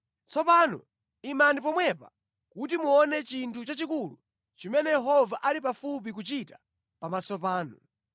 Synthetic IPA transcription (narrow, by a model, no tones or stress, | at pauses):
t͡sɔpaːnɔ̰ | imanip̬ɔmwɛpa̰ | kutimuɔnɛt͡ʃintʰut͡ʃat͡ʃikulu | t͡ʃimɛnɛjɛɦɔvaʔalipafup̬ik̬ut͡ʃita | pamasɔpaːnɔ